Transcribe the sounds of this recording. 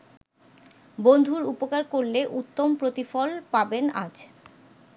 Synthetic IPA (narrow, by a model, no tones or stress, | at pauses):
bond̪ʱuɾupokaɾkoɾleʔut̪ːompɾot̪ifɔlpabena̰d͡ʑ